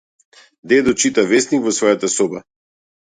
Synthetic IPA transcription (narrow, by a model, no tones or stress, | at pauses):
d̪ɛd̪ɔt͡ʃit̪avɛsnikvɔsvɔjat̪asɔba̰